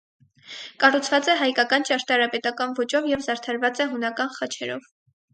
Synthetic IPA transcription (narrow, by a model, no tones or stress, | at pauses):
kɑrut͡sʰvɑt͡sɛɦɑjkɑkɑnt͡ʃɑɾt̪ɑɾɑpɛt̪ɑkɑnvɔt͡ʃɔvjɛvzɑɾt̪ʰɑɾvɑt͡sɛɦunɑkɑnχɑt͡ʃʰɛɾɔ̰v